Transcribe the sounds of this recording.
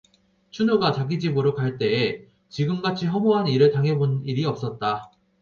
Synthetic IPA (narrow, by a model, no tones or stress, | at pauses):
t͡ɕʰunoɡat͡ɕaɡid͡ʑibɯɾokaɭt͈e̞ː | t͡ɕiɡɯmɡat͡ɕʰiɦʌmoɦaniɾɯɭtaŋɦeboniɾiʌp̚s͈ʌt̚t͈a